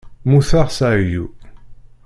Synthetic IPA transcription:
muθaʁsajṵ

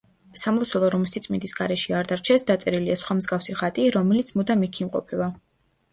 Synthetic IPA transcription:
samlˠɔsʰɛlˠɔɾɔmsit̪sʼmḭnd̪isɡaɾɛʃiaɾd̪aɾt͡ʃʰɛsd̪at̪sʼɛɾiliasχwamzɡafsiʁat̪ʼiɾɔmɛlit̪sʰmud̪amikʰimqʼɔ̰pʰɛba

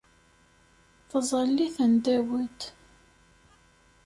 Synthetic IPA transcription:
θəzˤəlːiθənd̪æwət̪

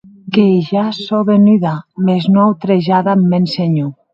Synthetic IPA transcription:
keʒasoβenyðameznoawt̪ɾeʒaðamːenseɲu

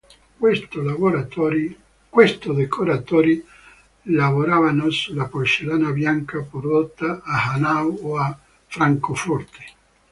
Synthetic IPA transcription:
st̪olavoɾat̪ɔɾi | kwest̪od̪ekʰoɾat̪ɔːɾi | lavoɾavanosulːapot͡ʃelaːnabjaŋkapord̪ot̪ːaːhanawoa | fɾaŋkofɔrt̪e̥

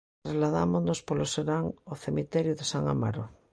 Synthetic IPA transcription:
t̪ɾazlaða̰monospoloseɾaŋoθemit̪ɛɾjuðesaŋa̰ma̰ɾo

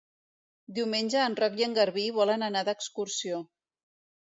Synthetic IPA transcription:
d̪iumenʲʒəːnrɔkjəŋɡəɾβiβɔlənənad̪əkskuɾsio

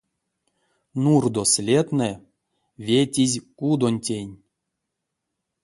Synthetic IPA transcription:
nurd̪osʲlʲet̪nɛ | vʲetʲizʲkud̪onʲtʲenʲ

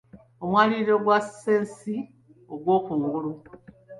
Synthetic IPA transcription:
omwaːliɾoɡwaseːnsi | oɡwoːkuːŋɡuɾu

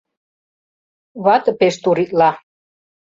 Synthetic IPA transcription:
βɑt̪ə̆peʃt̪uɾit̪lɑ

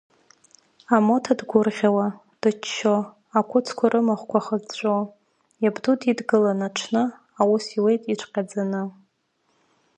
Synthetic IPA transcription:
amo̞tʰadɡʷʊrʁʲawa | d̥ɨt͡ʃːo | akʷʰʊt͡sʰkʷʰaɾʔɨmaχʷkʷʰaχəzt͡ɕʷʼo | jabdutʰʼidɡɨlanaʈ͡ʂʷʰnɨ | awusiwe̞jtʼiʈ͡ʂʷʰqʲʼad͡zanɨ

